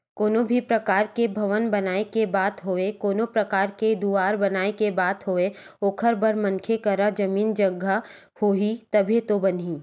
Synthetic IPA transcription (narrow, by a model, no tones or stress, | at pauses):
koːnobʱipɾɐkaːɾkebʱɐʋənbɐnaːekebaːt̪ɦoːekoːnopɾɐkaːɾked̪uaːɾbɐnaːekebaːt̪ɦoːeoːkʰəɾbɐɾmɐ̃ŋkʰekɐɾad͡ʒɐmiːnd͡ʒɐɡʱːa | hoːit̪ɐbʱet̪obɐnɦiː